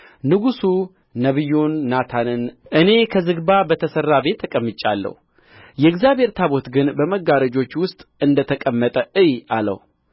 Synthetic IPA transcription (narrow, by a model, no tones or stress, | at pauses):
nɨɡusu | nəβɨjːunːat̪ʰanɨnʔɨne̞kʰəzɨɡbabət̪ʰəsərːabe̞t̪ʰːəkʼəmːɨt͡ʃʼːa̰lːə̰hu | jɛɨɡzjabʱhe̞ɾt̪ʰaβo̞t̪ɡɨnbəməɡaɾəd͡ʒo̞t͡ʃːwʊst̪ʼɨnd̪ət̪ʰəkʼəmːət̪ʼəɨjalə̰hu